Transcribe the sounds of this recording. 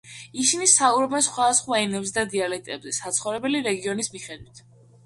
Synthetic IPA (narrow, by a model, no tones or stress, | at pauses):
isinisauɾɔbɛnsχwad̪asχwaɛmnɛbs̬d̪ad̪ialɛt̪ʼɛbzɛsat̪sʰχɔvɾɛbɛliɾɛɡiɔnismiχɛd̪wit̪ʰ